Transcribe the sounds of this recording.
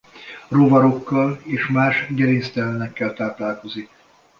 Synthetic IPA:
rovɒɾo̞kːɒleːʃmaːʃɡɛɾinst̪ɛlɛnɛkːɛlt̪aːlp̪laːlko̞zik̚

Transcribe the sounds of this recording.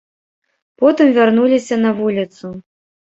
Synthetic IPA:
pɔt̪ɨmvʲarnulʲisʲɐnɐvulʲit̪su

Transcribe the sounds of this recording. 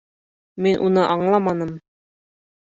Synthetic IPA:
minʔunɤʔɑɴlˠɑmɑnɤm

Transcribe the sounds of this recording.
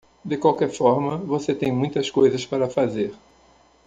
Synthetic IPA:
d̪ɪkwawkɛɾfɔɾmɐvoset̪ẽj̃mũj̃t̪ɐskojzɐspaɾɐfazeɾ

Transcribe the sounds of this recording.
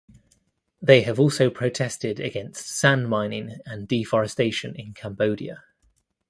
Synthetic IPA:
ðeɪəvɔˑlˠsəʊpʰɹ̥əʊtʰɛstɪdəɡɛ̃nstsãnmãɪ̃nɪ̃ŋə̃nd̥ifɒɹɛsteɪʃə̃nɪ̃nkʰãmbəʊdiə

